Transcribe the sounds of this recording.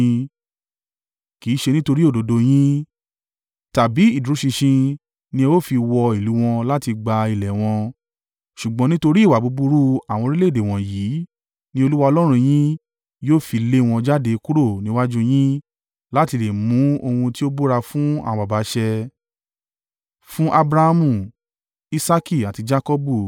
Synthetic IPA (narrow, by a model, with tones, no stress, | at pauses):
ki˨˦ʃe˧nĩ˦to˧ɾi˦o˦˨do˨˦do˧j̃ĩ˦ | ta˨bi˨˦i˦˨du˨ɾu˨˦ʃĩ˧ʃĩ˧ | nĩ˧wo˦fi˧wɔ˧i˨lu˨˦w̃ɔ̃˧la˦ti˧ɡ͡ba˧i˨lɛ˨w̃ɔ̃˧ | ʃu˨ɡ͡bɔ̃˨˦nĩ˦to˧ɾi˦˨wa˨bu˨˧˦bu˧ɾu˦a˨w̃ɔ̃˧ɾi˦le˦˨de˨w̃ɔ̃˨jiː˨˦ | nĩ˦o˧lu˦wa˧ɔ˧lɔ˦ɾ̃ũ˧j̃ĩ˦ | joː˦˨fi˧le˦w̃ɔ̃˧d͡ʒa˦de˧ku˦ɾo˦˨nĩ˨˦wa˦d͡ʒũ˦j̃ĩ˦ | la˦ti˧le˨mũ˨˦o˧hũ˧ti˦o˦bo˦ɾa˧fũ˦ã̰˦˧ba˨ba˨˦ʃɛ˧ | fũ˦ʔa˧bɾa˧ha˧mũ˦˨ | i˦sa˦ki˦˨a˨ti˧d͡ʒa˦kɔ˦bu˦˨